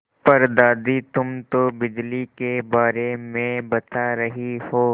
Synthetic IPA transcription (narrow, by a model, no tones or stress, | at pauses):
pɐɾd̪aːd̪it̪ʊmt̪obɪd͡ʒlikebaːɾemẽbɐt̪aɾɐɦihoː